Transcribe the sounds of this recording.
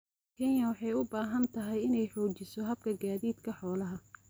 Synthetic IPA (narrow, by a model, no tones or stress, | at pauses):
kʰɛnjɐwɑħɑjʊbaːɦɐnt̪ʰɐɦɛjɪnɛjħɔːt͡ʃɪsɔɦɐb̚kʰɐɡaːðiːd̪kʰɐħɔːlɐɦɐ